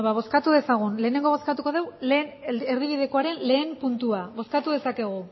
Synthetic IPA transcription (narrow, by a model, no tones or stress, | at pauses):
βaβ̞o̞skat̪uðe̞saɣ̞unle̞ːne̞ŋɡo̞βo̞skat̪uko̞ð̞e̞wleːneɾðiβ̞iðe̞ko̞aɾe̞nle̞ːmpunt̪uaβo̞skat̪uðe̞sake̞ɣ̞u